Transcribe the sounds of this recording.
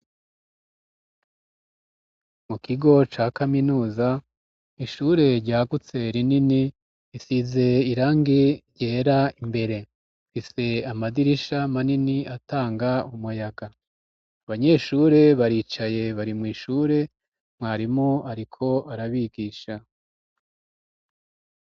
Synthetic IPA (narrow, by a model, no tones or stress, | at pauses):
mukiɡo̞t͡ʃaːkaminuːza | iʃuːɾe̞ɾɟaːɡut͡se̞ɾinini | isize̞iɾaːŋɡiɾɟeːɾaimbe̞ɾe̞ | fise̞amadiɾiʃamaniniataːŋɡaumujaɡa | βaɲe̞ʃuɾe̞βaɾiːt͡ʃaje̞βaɾimŋiːʃuːɾe̞ | mŋaːɾimoaɾikʰo̞aɾaβiɡiːʃa